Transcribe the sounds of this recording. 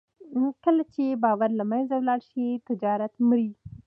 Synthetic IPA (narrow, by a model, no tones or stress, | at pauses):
kəlat͡ʃebɑwaɾlamajnzawlɑɽʃit̪ɪd͡ʒɑɾat̪mɾi